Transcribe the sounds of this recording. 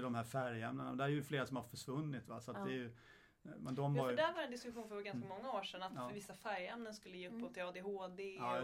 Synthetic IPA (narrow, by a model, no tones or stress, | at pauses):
d̪ɔmhæːɾfæɾjɛmnəɳamnd̪æɾɛjɵfleːɾasɔmhaɾfœʂvɵnːɪt̪vasɔat̪̚d̪ɛːɾjɵ | mɛnd̪ɔmad̪æːɾvaɾɛnd̪ɪskɵɧuːnfœɡanskamɔŋːaoːʂɛnːat̪vɪsːafæɾjɛmnənskɵlːəjeːɵpʰːɔt̪ːɑːd̪eːhoːd̪eː